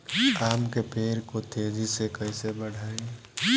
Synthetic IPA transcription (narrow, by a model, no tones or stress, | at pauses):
aːmkepeːɾkot̪eːzʱisekəɪsebəɽʱaːe